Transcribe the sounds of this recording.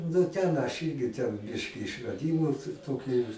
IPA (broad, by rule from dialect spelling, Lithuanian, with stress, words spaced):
nʊ ˈtʲɛn ɐʃ ˈiːrʲɡʲɪ tʲɛn ˈbʲɪʃʲkʲɪ ɪʃrɐˈdʲiːmuː t ˈtoːkʲʊ